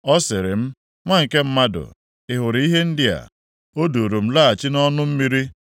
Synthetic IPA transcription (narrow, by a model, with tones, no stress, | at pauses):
ɔ˦sɪ˨ɾɪ˨m̩˦ | ŋʷa˦ŋ̩˨ke˦m̩˦ma˦dʊ̰˨ | ɪ˨ɦʊ˨ɾɪ˨i˦ɦe˦n̩˦dɪ˦a̰˨ | o˦do˨ɾo˨m̩˦la˦a˨t͡ʃɪ˦nɔ˦nʊ˦m̩˦mi˦ɾi˦